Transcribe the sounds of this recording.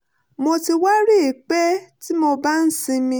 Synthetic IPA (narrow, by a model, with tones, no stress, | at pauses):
mõ˧ti˧wa˦ɾi˦e˨k͡pɛ˦ti˦mo˧ba˦n̩˦sĩ˧mĩ˧